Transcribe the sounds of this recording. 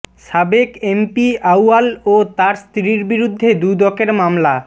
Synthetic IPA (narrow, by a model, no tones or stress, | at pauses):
ʃabekempiawalot̪aɾst̪ɾiɾbiɾud̪ʱːed̪ud̪ɔkeɾmamla